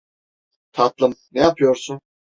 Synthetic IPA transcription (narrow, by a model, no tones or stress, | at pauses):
t̪ʰat̪lˠɯmnɛjapʰɯjoɾsun